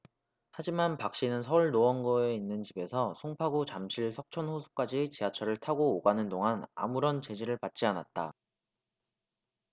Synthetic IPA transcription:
had͡ʑimanpak̚ɕ͈inɯnsʰʌuɭnoʌnɡoeinːɯnt͡ɕibe̞sʰʌsʰoŋpʰaɡut͡ɕamɕʰiɭsʰʌk̚t͡ɕʰʌnɸosʰu̥k͈ad͡ʑit͡ɕiat͡ɕʰʌɾɯɭtʰaɡoːɡanɯndoŋana̰muɾʌnt͡ɕe̞d͡ʑiɾɯɭpat̚t͡ɕ͈ianat̚t͈a

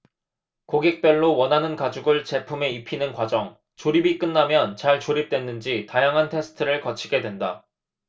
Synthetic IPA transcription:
koɡek̚p͈jʌɭːowʌnɦanɯnkad͡ʑuɡɯɭt͡ɕe̞pʰume̞ipʰinɯnkwad͡ʑʌŋ | t͡ɕoɾibik͈ɯnːamjʌnt͡ɕaɭt͡ɕoɾip̚t͈we̞nːɯnd͡ʑitajaŋɦantʰe̞sʰɯ̥tʰɯɾɯɭkʌt͡ɕʰiɡe̞dwe̞nda

